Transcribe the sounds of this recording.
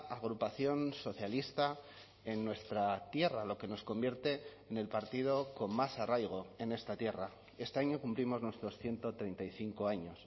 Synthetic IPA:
aɣɾupaθjo̞nso̞θjalist̪a | e̞nːwe̞st̪ɾat̪je̞ralo̞ke̞no̞sko̞mbje̞ɾt̪eː | ne̞lpaɾt̪ið̞o̞ko̞nmasarajɣ̞o̞e̞ne̞st̪at̪je̞ra | e̞st̪e̞aɲo̞kumplimo̞znwe̞st̪ɾo̞sθje̞nt̪o̞t̪ɾe̞jnt̪ajθiŋko̞aɲo̞s

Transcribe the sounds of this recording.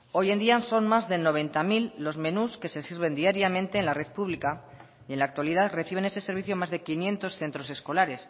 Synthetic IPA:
o̞je̞nd̪ianso̞nmazðe̞no̞β̞e̞nt̪amilːo̞zmẽ̞nuske̞se̞siɾβ̞e̞nd̪iaɾjamẽ̞nt̪eːnlare̞ðpuβlika | ie̞nlaːk̚t̪waliðaðre̞θiβ̞e̞nese̞se̞ɾβiθjomazðe̞kinjẽ̞nt̪o̞sθe̞nt̪ɾo̞se̞sko̞laɾe̞s

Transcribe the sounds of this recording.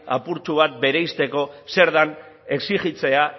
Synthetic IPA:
a̰puɾt͡ʃuβ̞at̪̚be̞ɾejst̪e̞ko̞se̞ɾðan | e̞ksiɣit͡se̞a

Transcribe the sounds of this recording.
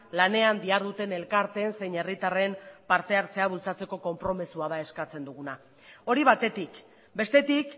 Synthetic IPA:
lane̞and̪iaɾðut̪e̞ne̞lkaɾt̪e̞ːnse̞jɲe̞rit̪are̞mpaɾt̪e̞aɾt͡se̞aβ̞ult͡sat͡se̞ko̞ko̞mpɾo̞misuað̞ae̞skat͡se̞nd̪uɣ̞una | o̞ɾiβat̪e̞t̪ik | be̞st̪e̞t̪ik

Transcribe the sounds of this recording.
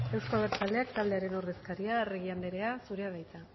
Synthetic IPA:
e̞wskoaβeɾt͡sald̪e̞akt̪ald̪e̞aɾe̞nowɾðe̞skaɾiaːreɣiand̪eɾe̞asuɾeaβajt͡s̪a

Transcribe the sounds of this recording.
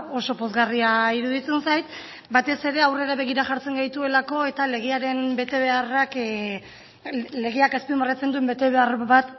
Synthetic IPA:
o̞so̞po̞zɣariaiɾuðit͡se̞nsajt̪ | bat̪e̞se̞ɾe̞awre̞ɾaβe̞ɣiɾaʝaɾt͡se̞ŋɡajt̪ue̞lako̞e̞t̪ale̞ɣ̞eaɾe̞mbe̞t̪e̞βe̞arak | le̞ɣeakespimarat͡se̞nd̪ue̞mbe̞t̪e̞βe̞arβat̪

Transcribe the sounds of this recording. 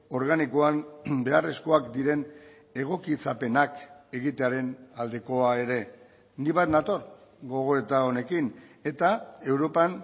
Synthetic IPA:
o̞ɾɣanikoanbe̞are̞sko̞akd̪iɾe̞n | e̞ɣ̞o̞kit͡sape̞nake̞ɣit̪eaɾe̞nald̪eko̞ae̞ɾe̞ | niβajt̪nat̪o̞ɾɣo̞ɣ̞o̞e̞t̪ao̞ne̞kine̞t̪ae̞wɾo̞pan

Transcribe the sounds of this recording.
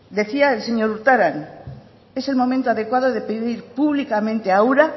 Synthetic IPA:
d̪e̞θiaelseɲoɾuɾt̪aɾan | ese̞lmo̞mẽnt̪oaðe̞kwað̞oðepeðiɾpuβlikamẽnt̪eauɾa

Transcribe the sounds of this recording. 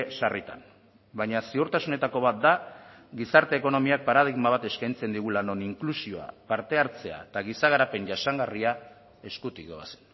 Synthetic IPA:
sarit̪a̰n | baɲasiuɾt̪asune̞t̪ako̞β̞at̪̚d̪aɡisaɾt̪e̞ːko̞no̞miak̚paɾað̞iɣmaβ̞at̪e̞skajnt͡se̞nd̪iɣ̞ulano̞niŋklusio̞a̰paɾt̪e̞aɾt͡se̞a̰et̪aɣ̞isaɣaɾape̞ɲʝasaŋɡaria | e̞skut̪ikd̪oase̥n

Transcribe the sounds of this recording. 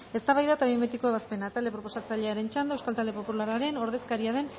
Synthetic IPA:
e̞st̪aβajðat̪aβiemet̪iko̞e̞β̞aspe̞nat̪ald̪e̞pɾo̞po̞sat͡saʎe̞aɾe̞nt͡ʃand̪oewskalt̪ald̪epo̞pulaɾaɾe̞no̞ɾðe̞skaɾiað̞e̞n

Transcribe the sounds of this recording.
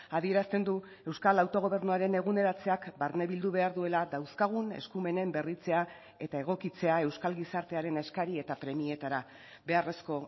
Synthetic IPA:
aðie̞ɾast̪e̞nd̪u | e̞wskalawt̪o̞ɣ̞o̞β̞e̞ɾnuaɾe̞ne̞ɣune̞ɾat͡se̞akbaɾne̞βild̪uβ̞e̞aɾðue̞lad̪awskaɣ̞une̞̰skume̞ne̞mbe̞rit͡se̞a | e̞t̪ae̞ɣ̞o̞kit͡se̞ae̞wskalɣisaɾt̪e̞aɾe̞neskaɾie̞t̪apɾe̞mie̞t̪aɾa | be̞are̞sko̞

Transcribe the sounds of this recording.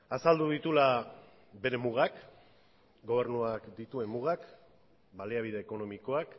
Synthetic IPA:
asald̪uðit̪ula | be̞ɾe̞muɣ̞ak | ɡo̞β̞e̞ɾnuakd̪it̪ue̞mːuɣ̞ak | baleaβ̞iðe̞ːko̞no̞miko̞ak

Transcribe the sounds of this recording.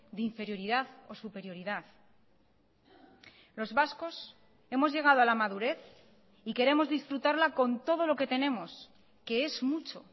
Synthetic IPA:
d̪eiɱfe̞ɾjo̞ɾiðaθo̞supe̞ɾjo̞ɾiðaθ | lo̞zβasko̞s | e̞mo̞zʝe̞ɣ̞aðo̞alamaðuɾe̞θ | ike̞ɾe̞mo̞zðisfɾut̪aɾlako̞nt̪o̞ð̞o̞lo̞ke̞t̪e̞ne̞mo̞s | ke̞e̞zmut͡ʃo̞

